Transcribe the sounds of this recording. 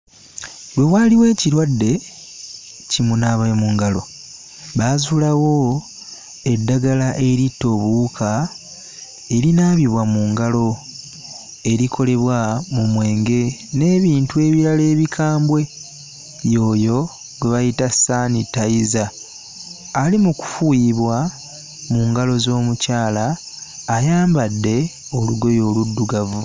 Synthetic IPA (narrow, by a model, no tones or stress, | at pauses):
lwe̞waːliwe̞ːciɾwadːe̞ | cimunaβaemuŋɡalo̞ | βaːzulawo̞ | e̞dːaɡalaʔe̞ɾitːo̞ːβuːkʰa | e̞ɾinaːβjiβwamuːŋɡalo̞ | e̞ɾikʰo̞le̞βwamumwe̞ːŋɡe̞ne̞ːβiːntue̞βiɾale̞ːβikʰaːmbwe̞ | jo̞ːjo̞ | ɡeβajitasanitaiza | limuku̥fujiβwa | muːŋɡalo̞zo̞ːmucaːlaː | jaːmbadːe̞o̞luɡo̞jo̞ːludːuɡavu